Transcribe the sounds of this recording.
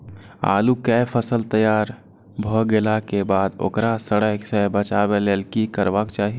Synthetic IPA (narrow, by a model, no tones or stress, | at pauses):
a̰ːlukɛpʰəsəlt̪əjaːɾ | bʱɔɡelakebaːd̪o̰ːkɾasəɽəɦsebət͡ʃabeleːlkikəɾbakt͡ʃaːɦi